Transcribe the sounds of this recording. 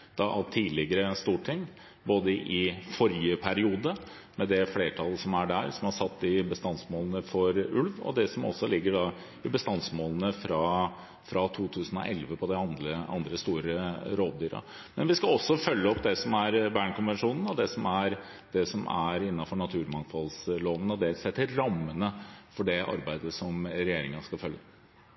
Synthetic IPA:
d̪̥ɑʔɑt̪ʰiːlɪɡəɾəst̪uːʈʰɪŋː | boːd̪əʔɪfɔɾjəpʰæɾɪuːd̪ə | mɛd̪ɛfleːʈʰɑlːəsɔmæɖæɾsɔmɑʂɑt̪ːɪbəst̪ɑnsmoːlənəfɔɾʉlʋɔ̰d̪ɛsɔmɔ̰sːɔlɪɡːəɖɑ | ɪbəst̪ɑnsmoːlənəfɾɑ | fɾɑt̪ʰuːt̪ʰʉːsən̩ɔ̰ʔɛlʋəpʰɔd̪ɛɑnd̪ləɑ̰nd̪ɾəst̪uːɾəɾoːd̪̚d̪yːɾɑ̰ | mɛnʋɪskɑɔsːɔfœlːəɔpːd̪ɛsɔmæɾbæːɳkʊnʋɛnʂuːnn̩ɔd̪ɛsɔmæɾ | d̪ɛsɔmʔæ̰ɾɪnːɑfɔɳɑt̪ʰʉːɾmɑŋfɑlsloːʋənəɔd̪ɛsɛt̪ːɪɾɑmːənəfɔɖɛʔɑ̰ɾbæɪd̪əsɔmɾɛjeːɾɪŋɑskɑfœlːə

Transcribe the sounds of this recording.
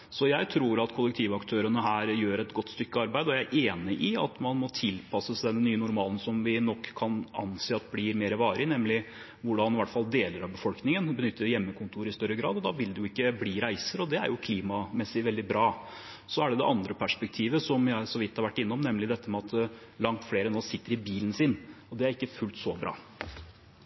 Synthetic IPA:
sɔjæɪt̪ʰɾuːɾɑt̪kʰʊlːəkt̪ʰiːʋɑkt̪ʰøːɾənəɦæːɾjøːɾɛt̪ɡɔt̪ːst̪ʏkːəɑɾbæɪd̪ɔjææɾʔeːnɪʔɪɑ̰t̪mɑnmɔt̪ʰɪlpʰɑsːəsæd̪ɛnːyːənʊɾmɑːlnsɔmʋɪnɔkʰːɑnɑ̰nseːɑt̪blɪɾmeːɾəʋɑːɾɪnɛmːlɪ | ʋʊɖɑnɪʋæʈːfɑld̪eːləɾɑʋbəfɔlknɪŋənbənʏt̪ʰːəɾjɛmːəkʰʊnt̪ʰuːɾɪst̪œɾːəɡɾɑːd̪ɔd̪ɑʋɪld̪ʉjʊɪkːəbliːɾæɪsəɾɔd̪ɛæ̰ɾjʊkʰliːmɑmɛsɪʋɛld̪ɪbɾɑː | sɔæɖɛd̪ɛ̰ʔɑnd̪ɾəpʰæʂpɛk̚t̪ʰiːʋəsɔmjæsɔʋɪt̪ːhɑɾʋæʈːɪnːɔmnɛmːlɪd̪ɛt̪ːəmɛɑt̪ | lɑŋt̪fleːɾənoːsɪt̪ːəɾɪbiːlənsɪnɔd̪ɛæɾɪkːəfʉlt̪sɔbɾɑ̰ː

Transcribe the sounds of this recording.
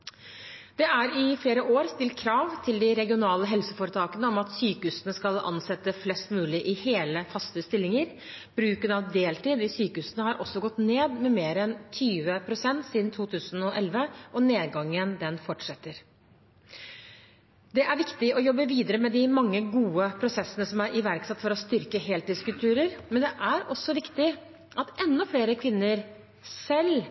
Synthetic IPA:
d̪̥ɛæɾɪfleːɾəʔoːɾst̪ɪlt̪kʰɾɑːʋt̪ʰɪld̪ɪɾɛɡɪʊnɑːləɦɛlsəfoːɾət̪ʰɑːkənəɔmɑt̪syːkəhʉsənəskɑlɑ̰nsɛt̪ːəflɛst̪mʉːlɪʔɪheːləfɑst̪əst̪ɪlːɪŋəɾ | b̥ɾʉːkənɑʋd̪eːlt̪iːd̪ɪsyːkəʉːsənəhɑɾʔɔsːɔɡɔt̪ːneːd̪mɛmeːɾɛnt̪ʰyːʋəpʰɾʊsɛnt̪siːd̪n̩t̪ʰuːt̪ʰʉːsənɔʔɛlʋəʔɔneːd̪ɡɑŋːənd̪ɛnfɔʈʂɛt̪ːəɾ | d̪ɛʔæɾʋɪkt̪ɪʔɔjɔbːəʋiːd̪əɾəmɛd̪ɪmɑŋːəɡuːəpʰɾʊsɛsːənəsɔmæɾʔɪʋæɾksɛt̪ːfɔɾɔst̪ʏɾkəɦeːlt̪ɪːskʉlt̪ʉːɾəɾmɛnd̪ɛʔæɾɔsːɔʋɪkt̪ɪ | ʔɑt̪ɛnːɔfleːɾəkʰʋɪnːəɾ | sɛl

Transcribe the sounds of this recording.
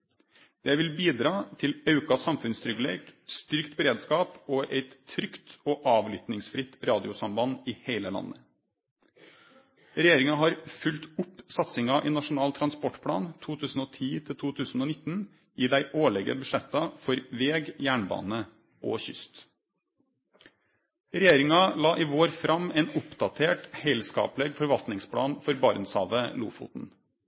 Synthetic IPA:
d̪̥ɛʋɪlbiːd̪ɾɑːt̪ʰɪlɑʉkɑsɑmfʉnst̪ʰɾʏɡəlḛːɡ̥st̪ʏɾkt̪bəɾeːd̪skɑːpoːʔɛɪt̪ʰːɾʏkt̪oːʔɑːʋlʏt̪nɪŋsfɾɪt̪ɾɑːd̪ɪʊsɑmbɑnɪːheɪləlɑ̰nːə | ɾɛjeːɾɪŋɑɦɑɾfʉlt̪ʊpːsɑt̪sɪŋɑʔɪnɑʂʊnɑːlt̪ʰɾɑnspɔʈpʰɽɑ̰ːnt̪ʰuːt̪ʰʉːsn̩oːt̪ʰiːt̪ʰɪlt̪ʰuːt̪ʰʉːsn̩oːnɪt̪n̩ | ʔiːd̪æɪʔoːɭɛɡə̰bʉʂɛt̪ːɑfɔɾʋeːɡjæːɳbɑ̰ːnə | ʔo̰ːçʏ̰st̪ | ɾɛjeːɾɪŋɑlɑːʔiːʋoːɾfɾʔɑmeːnʊpd̪ɑt̪ʰeːʈhæɪlskɑ̰ːplɛɡfɔɾʋɑlt̪nɪŋspʰlɑ̰ːnfɔɾbɑɾnshɑ̰ːʋəlṵːfʊ̰ːt̪n̩

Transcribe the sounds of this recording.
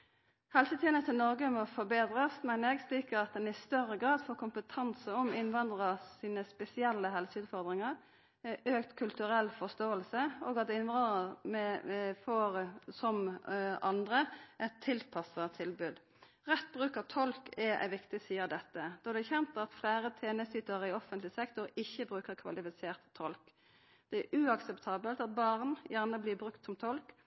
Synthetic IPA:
hɛlsət̪ʰiːənət̪ʰɪlnɔɾɡəmɔfɔbeːd̪ɾəsmænəɛɡsliːkəɾɑt̪̚d̪ɛnɪst̪œɾəɡɾɑːd̪foːɾkʰʊmpət̪ʰɑnsəɔmɪnʋɑnd̪ʁɑsiːnəspɛsɪɛlːəɦɛlsəʉːd̪fɔɾd̪ʁɪŋəɾ | øːkt̪kʰʉlt̪ʉɾɛlfɔst̪oːəlsəoːɡɑt̪̚d̪ɛɪnʋɑnəmɛfoːɾsɔmʔɑnd̪ʁəʔɛt̪ʰːɪlpʰɑsət̪ʰɪlbʉːd̪ | ʁɛt̪̚ːbʁʉːkət̪ʰɔlkɛæ̰ɪʋɪkt̪ɪsiːəɾd̪ɛt̪ːəd̪̥ɔd̪ɛçɛnt̪ɑt̪flæːɾət̪ʰeːnəsyːt̪əʁɪɔfənt̪lɪsɛkt̪ɔɾɪçːəbʁʉːkəʁkʰʋɑ̰lɪfɪseːʁt̪ʰːɔlk | d̪̥ɛæʔʉɑksɛpt̪ʰɑːbəlt̪ɑt̪̚bɑʁnjæʁnəbliːbʁʉkt̪sɔmt̪ʰɔlk

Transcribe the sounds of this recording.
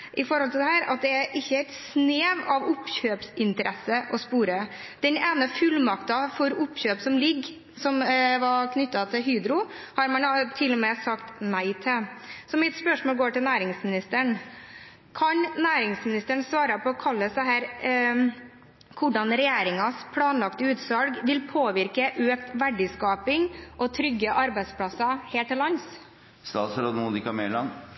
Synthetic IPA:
ʔɪfɔɾhɔlt̪ʰɪld̪ɛɦæːɾɑ̰t̪̚d̪ɛæɾʔɪçːəæɪt̪sneːʋɑʋʊpːçøːpsɪnt̪əɾʔɛsːəʔɔspuːɾə | d̪̥ɛneːnəfʉlmɑkt̪ɑfɔɾʊpːɕøːpsɔmlɪɡː | sɔmʋɑɾkʰnʏt̪ːɑt̪ʰɪlɦyːd̪ɾʊhɑɾmɑnt̪ʰɪlːɔmɛsɑkt̪næɪt̪ʰɪsɔmɪt̪spœʂmoːlɡoːʈɪlnæːɾɪŋsmɪnɪst̪əɳ | kʰɑɲnæːɾɪŋsmɪnɪst̪əɳsʋɑːɾɑpʰɔɔkʰɑlːəsæɦæːɾ | kʰʊɖɑnɾɛjeːɾɪŋɑspʰlɑːnlɑkt̪əʉːt̪sɑlɡʋɪlpʰoːʋɪɾkəʔøːkt̪ʋæɖɪskɑːpɪŋʔɔt̪ʰɾʏɡːəʔɑɾbæɪd̪spʰɽɑsɑheːʈʰːɪlɑns | st̪ɑːt̪sɾoːd̪əmuːd̪ɪkɑmeːlɑn

